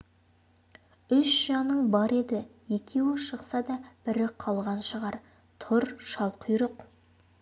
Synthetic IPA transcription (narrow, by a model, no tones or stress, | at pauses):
ʏsʒ̥ɑnəɴbɑɾe̞d̪ɪje̞kʲʰe̞wɪʃəqsɑd̪ɑb̥ɪɾɪqʰɑlˠʁɑnʃəʁɑɾ | t̪ʰʊɾʃɑlˠqʰʊjɾəq